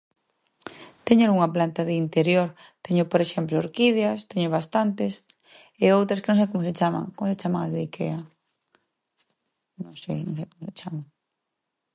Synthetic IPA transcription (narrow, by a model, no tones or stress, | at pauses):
t̪ɛɲeluŋɐplant̪aðɪint̪eɾjoɾ | t̪ɛɲʊpoɾeʃɛmplooɾkiðjast̪ɛɲʊβast̪ant̪ɪs | eowt̪ɾɐskenõŋ̃s̬ejkomʊset͡ʃama̰ŋkomoset͡ʃamaŋazðeikeɐ | nõŋsejnõŋsejkomoset͡ʃamaŋ